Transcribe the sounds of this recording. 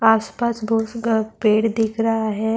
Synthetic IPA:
aːspaːsbʱoːspeːɽd̪ɪkʰɾɐɦaɦɛ

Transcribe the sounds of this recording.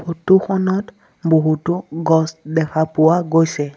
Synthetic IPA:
pʰotuxɔnɔt | boɦutʊɡɔsdɛkʰapʊwaɡojsɛ

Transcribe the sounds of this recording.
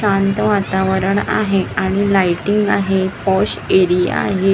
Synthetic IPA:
ant̪əʋat̪aʋəɾəɳa̰ɦeaɽ̃ilajʈiŋɡaɦepɔɕeɾija̰ɦe

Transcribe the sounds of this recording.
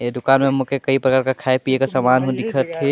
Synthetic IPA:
ed̪ʊkanmemukekəipɾəkaːɾkakʰaepiekasamanɦod̪ikʰət̪ɦe

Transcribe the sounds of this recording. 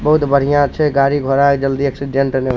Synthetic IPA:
bəɦut̪bəɽ̤ijãt͡ʃʰɛɡaɾiɡʱoɾakd͡ʒəld̪iəksiɖeɳʈne

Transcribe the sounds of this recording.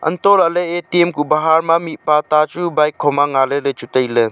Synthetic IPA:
ɐ̰ntɔɾaləetemkubaɦaɾmamit̚patat͡ʃubajkʰːɔmaŋalɯɾɯt͡ʃutəjlɯ

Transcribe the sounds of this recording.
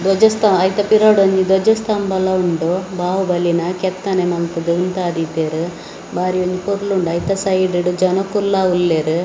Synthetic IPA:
d̪ɔd͡ʒɐst̪ɐmɐjt̪ɐpiɾaɽoɲd͡ʒid̪ɔd͡ʒɐst̪ɐmbɐlːɐuɳɖobʱaːʋubɐlːinɐkɛt̪ːɐnemɐnt̪ɐd̪uunt̪aːd̪it̪eɾu | baːɾijoɲd͡ʒipuɾluɳɖɐjt̪ɐsɐjɖiɖud͡ʒɐnokulːaulːeɾu

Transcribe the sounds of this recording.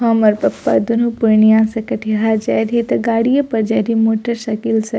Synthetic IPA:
ɦɐmɐɾpɐpːa̰d̪unupʊɾɳijãsɐkɐʈʰiɦad͡ʒɛɾit̪ɐɡaːɽijəpɐɾd͡ʒɐɾimoːʈəɾʃɐkilsɐ

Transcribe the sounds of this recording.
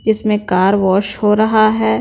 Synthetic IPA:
d͡ʒɪsmẽkaːɾʋɔːʃhoːɾɐɦaɦɛː

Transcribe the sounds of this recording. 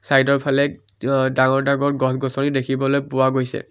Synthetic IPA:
sajdɔɹpʰalɛdaŋɔɹdaɡɔɹɡɔsɡɔsɔnidekʰibɔlojpʊwaɡojsɛ̰

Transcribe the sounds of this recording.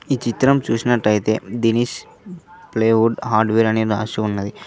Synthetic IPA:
iːt͡ʃit̪ɾɐmt͡ʃuːsinɐʈːɐjit̪e̞̰ːd̪inis | pleːʋuɖɦaːɾɖʋeːɾɐneːɾa̰ːʂɐunːɐd̪i

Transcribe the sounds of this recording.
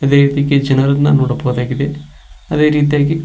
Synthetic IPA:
ɐd̪eːɾiːt̪ijɡed͡ʒɐnɐɾɐnːɐnoːɽɐbɐɣd̪aːɡid̪e̞ | ɐd̪e̞ːɾiːt̪̬ijaːɡi

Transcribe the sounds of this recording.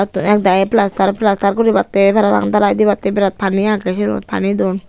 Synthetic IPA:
t̪uɛk̚d̪aɛplast̪aɾplast̪aɾkuɾibat̪ːepaɾaba̰ŋd̪aɾajd̪iβat̪ːebiɾat̪̚pʰaniakɛsiɾṵt̪̚pʰa̰nid̪ɔn

